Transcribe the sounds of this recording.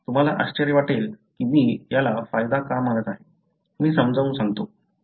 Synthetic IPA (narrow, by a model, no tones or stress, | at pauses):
t̪um̤alaʔaɕt͡ɕəɾiʋaʈelkimiːjalafajd̪akamələt̪aɦe | miːsəmd͡zəʋũnsãŋɡ̚t̪o